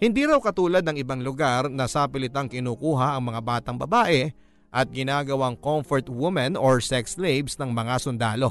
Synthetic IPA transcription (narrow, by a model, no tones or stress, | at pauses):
hɪnd̪iɾawkɐt̪uːlɐd̪nɐŋɪbaŋlʊɡaɾnɐsapɪlɪt̪aŋkɪnuːkuːɦɐʔɐŋmɐŋabaːt̪ɐŋbɐbaːʔɛ | ʔɐt̪̚ɡɪnaːɡɐwaŋkomfɔɹt̪wɪmɐnoɹsɛkslejbsnɐŋmɐŋasʊnd̪aːlo̞